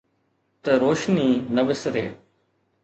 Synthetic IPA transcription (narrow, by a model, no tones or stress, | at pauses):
t̪əɾoːʃniːnəʋɪsɾḛː